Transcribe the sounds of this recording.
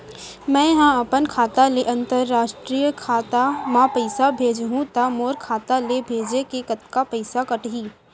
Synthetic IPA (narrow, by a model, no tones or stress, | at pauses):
mɛ̃ːɦãɐpənkʰaːt̪aleʔɐ̃nt̪əɾːaːʃʈɾiːjəkʰaːt̪amãpəɪsabʱeːd͡ʒɦũt̪amoːɾkʰaːt̪alebʱeːd͡ʒekekɐt̪kapɐɪsakɐʈɦiː